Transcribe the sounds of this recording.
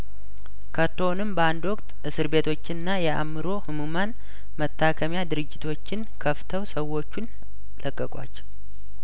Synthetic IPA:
kʰət̪ʰːonɨmbəand̪wɔkʼt̪ʔɨsɨɾbe̞t̪ʰo̞t͡ʃːɪnɨnːajɛa̰mɨɾo̞hɨmuman | mət̪ʰːakʰəmjad̪ɨɾɨd͡ʒːɪt̪ʰo̞t͡ʃːɪnkʰəft̪ʰəwsəwːo̞t͡ʃːun | lʔəkʼːəkʼwa̰t͡ʃː

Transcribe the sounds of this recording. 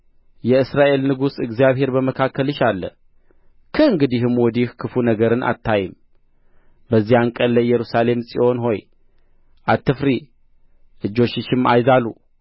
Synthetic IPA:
jɛɨsɾaʔe̞lnɨɡusɨɡzijaβhe̞ɾbəməkʰakʰːəlɨʃalːə̰ | kʰɨɨŋɡɨd̪iɦɨmwɔd̪ihkʰɨfunəɡəɾɨnʔa̰t̪ːajɪm | bəzːihaŋkʼəlːəjːɛɾusale̞msʼḭʔo̞nɦo̞j | ʔat̪ːɨfɾi | ʔɨd͡ʒːo̞t͡ʃːɪʃɨmːa̰jzalu

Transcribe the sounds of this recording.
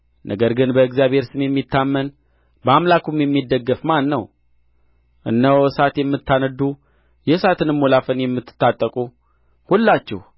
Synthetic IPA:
nʔə̰ɡəɾɡɨnbəɨɡzjaβhe̞ɾsɨmjɛmːit̪ʰːamːən | bəamlakumjɛmːid̪ːəɡːəfmanːəw | ʔɨ̰nːəwsat̪jɛmːɨt̪ːanəd̪u | jɛsat̪ʰɨnɨmːolafənjɛmːɨt̪ʰːɨ̥t̪ːat̪ʼːəkʼu | hulːat͡ʃːɛ̰h

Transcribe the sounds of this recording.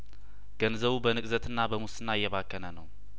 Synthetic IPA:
ɡ̥ənzəβubənɨkʼzət̪ʰɨnːabəmusɨnːaɪjːɛβakːənənəw

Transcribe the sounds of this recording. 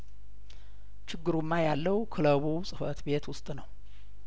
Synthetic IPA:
t͡ʃʰɪɡːɨɾumːajalːəwkʰɨləβusʼɨfət̪be̞t̪wʊst̪ʼnəw

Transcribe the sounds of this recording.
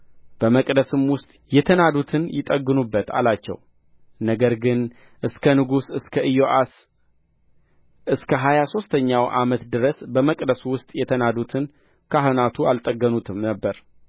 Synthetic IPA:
b̥əməkʼd̪əsɨmwʊst̪ʼjɛt̪ʰənad̪ut̪ʰɨnjɪt̪ʼəɡːɨnubːət̪ʰa̰lat͡ʃːɛ̰w | nəɡəɾɡɨn | ʔɨskʰənɨɡusɨskʰəʔɨjoʔas | ʔɨskʰəɦajaso̞st̪ʰəɲːawʔa̰mət̪d̪ɨɾəsbəməkʼd̪əswʊst̪ʼjɛt̪ʰənad̪ut̪ʰɨn | kʰaɦonat̪ʰualt̪ʼəɡːənut̪ʰɨmnəbːəɾ

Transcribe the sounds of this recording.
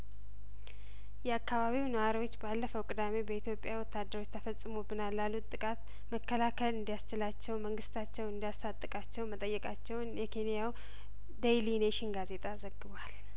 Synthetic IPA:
jɛakːaβaβiwnəwaɾiwo̞t͡ʃːbalːəfəwkʼɨd̪ame̞bəit̪jo̞pʼːjawɔt̪ːad̪ːəɾo̞t͡ʃːt̪ʰəfəsʼɨmobɨnalːalːut̪ʼːɨkʼat̪ | məkːəlakʰəlɨnd̪ijast͡ʃɪlat͡ʃːɛwməŋɡɨst̪ʰat͡ʃːɛwɨnd̪ijast̪ʰat̪ʼːɨkʼat͡ʃːɛwmət̪ʼəjːɛkʼat͡ʃːɛwnjɛkʰe̞nijaw | d̪ejlineʃɪnɡaze̞t̪ʼʰazəɡːɨβwal

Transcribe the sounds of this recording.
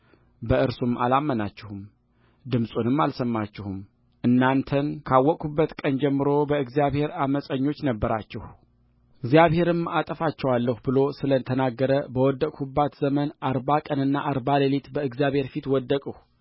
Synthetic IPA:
bəɨɾsumʔa̰lamːənat͡ʃːɪhum | d̪ɨmsʼunɨmːalsəmːat͡ʃːɪhum | ʔɨnːant̪ʰənkʰawːɔkʼubːət̪kʼənd͡ʒɛmːɨɾo̞bəɨɡzijaβhe̞ɾaməsʼəɲːo̞t͡ʃːnəbːəɾat͡ʃːɛh | ɨɡzjaβhe̞ɾɨmat̪ʼəfat͡ʃːɛwalːəhubɨlo̞sɨlət̪ʰənaɡːəɾəbəwɔd̪ːəkʼhubːat̪zəmənaɾbakʼənɨnːaʔaɾbaləlit̪bəɨɡzijaβhe̞ɾfit̪wɔd̪ːəkʼəh

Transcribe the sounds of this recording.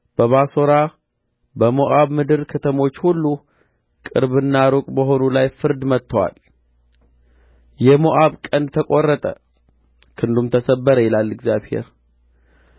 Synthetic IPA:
b̥əβaso̞ɾa | bəmoʔaβmɨd̪ɨɾkʰət̪ʰəmo̞t͡ʃːhulːu | kʼɨ̰ɾβɨnːaɾokʼbəɦo̞nulajfɨɾd̪mət̪ʰːəwa̰l | jɛmoʔaβkʼənd̪t̪ʰəkʼo̞rːət̪ʼə̰ | kʰɨnd̪umt̪ʰəsəbːəɾəjɛlalːɨɡzjaβhe̞̰ɾ

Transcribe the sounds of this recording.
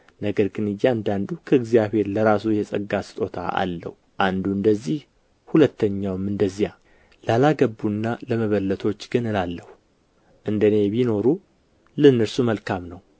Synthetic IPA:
nəɡəɾɡɨnɨjːeand̪and̪ukʰəɨɡzijaβhe̞ɾləɾasujɛsʼəɡːasɨ̥t̪ʼo̞t̪ʰa̰a̰lːə̰huʔand̪uɨnd̪əzːih | hulət̪ːəɲːawɨmɨnd̪əzːija | lalaɡəbːunːaləməβəlːət̪ʰo̞t͡ʃːɡɨnɨnalːəhu | ʔɨnd̪əne̞βino̞ɾu | lɨnːɨɾsuməlkʰamnəw

